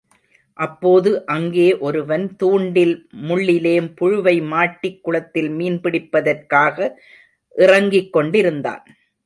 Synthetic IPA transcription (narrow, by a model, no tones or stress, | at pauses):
ʔɐpːoːðɯʔɐŋɡeːʔɔɾɯʋɐnt̪uːɳɖɪlmʊɭːɪleːmpʊɻʊʋɐɪmaːʈːɪkːʊɭɐt̪ːɪlmiːnpɪɽɪpːɐðɐrkaːɣɐ | ʔɪrɐŋɡɪkːɔɳɖɪɾɯnd̪a̰ːn